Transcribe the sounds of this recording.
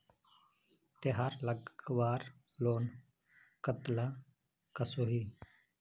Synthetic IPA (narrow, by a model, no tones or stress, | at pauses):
t̪eɦaːɾləɡʋaːɾloːn | kət̪laː | kəsoːɦiː